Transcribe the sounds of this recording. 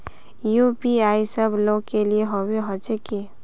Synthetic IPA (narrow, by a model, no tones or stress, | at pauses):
jupiaːisəbloːɡkelieɦoweɦot͡ʃəki